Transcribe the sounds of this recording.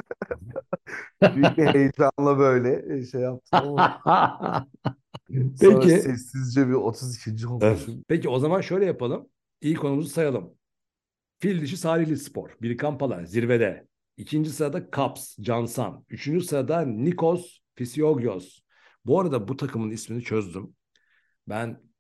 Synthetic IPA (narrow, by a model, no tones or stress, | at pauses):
biiejt̪ʰɾanlˠabø̞jlʲɛʃejːap̚t̪ʰɯ | pʰecisɛsːizd͡ʒɛbiot̪ʰuzicʰind͡ʒiɦounpecio̞zamanʃø̞jlʲɛjapalˠɯm | ijikʰo̞numuzusajalˠɯm | filʲd̪iʃ̬isaːɾiçlʲispo̞̰ɾbiɾʲkʰampalˠa̰ɾziɾved̪ɛ̰ | icʰind͡ʒisɯɾad̪akʰapsd͡ʒansa̰nyt͡ʃʰynd͡ʒysɯɾad̪anikʰos | fisijoɡjos | buaɾad̪abut̪ʰakʰɯmɯnisminit͡ʃʰø̞zd̪ym | bæn